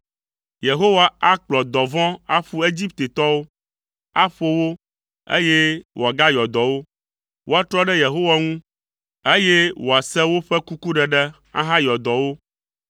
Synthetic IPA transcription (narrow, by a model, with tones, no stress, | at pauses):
je˨ɦo˦wa˨a˦k͡plɔ˨d̪ɔ˨vɔ̃˦a˦ɸu˦e˦d͡ʑi˦pt̪e˨t̪ɔ˦wo˦ | a˦ɸo˦wo˦ | ḛ˦je˦wʔo˨a˨ɡa˦jɔ˨d̪ɔ˨wo˦ | wo˦a˦t̪ɾɔ˦ɖɛ˦je˨ɦo˦wa˨ŋũ˦ | e˦je˦wo˨a˨sɛ˦wo˦ɸɛ˦ku˦ku˦ɖɛ˦ɖɛ˦ | ã̰˦ɦã˦jɔ˨d̪ɔ˨wo˦